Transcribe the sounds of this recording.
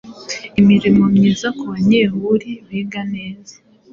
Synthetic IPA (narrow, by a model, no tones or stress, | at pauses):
imiɾimomɲiːzakuβaɲehuɾiβiːɡane̞ːza